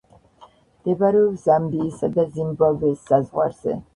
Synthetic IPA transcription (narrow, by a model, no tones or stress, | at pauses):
d̪̥ɛbaɾɛubzamd̪iːsad̪azimbavɛsːazʁwa̰ɾz̥ɛ̰